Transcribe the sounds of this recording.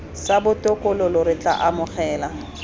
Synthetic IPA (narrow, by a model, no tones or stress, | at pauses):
sabʊtʼʊkʼʊlʊlʊɾɪt͡ɬʼa̰ʔamʊχɛːla